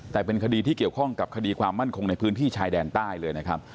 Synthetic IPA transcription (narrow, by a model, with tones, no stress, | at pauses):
t̪ɛː˨˩pe˧nkʰa˧diː˧t̪ʰiː˥˩ki˨˩əwkʰɔ˥˩ŋka˨˩p̚kʰa˧diː˧kʰwaː˧mːa˥˩nkʰo˧ŋna˧jpʰɯː˦˥nt̪ʰiː˥˩t͡ɕʰaː˧jdɛː˧nt̪aː˥˩jlɤː˧jna˦˥kʰa˦˥p̚